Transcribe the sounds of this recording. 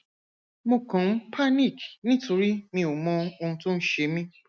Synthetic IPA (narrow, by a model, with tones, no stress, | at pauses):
mo˧kã˨m̩̃˦pʰa˦ni˦˨knĩ˦tʰo˧ɾi˦mĩ˧o˨mɔ̃˧o˧ũ˧to˦n̩˦ʃe˧˦mĩ˧